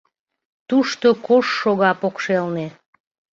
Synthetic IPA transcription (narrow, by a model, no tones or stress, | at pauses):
t̪uʃt̪okoʃːoɣɑpokʃelne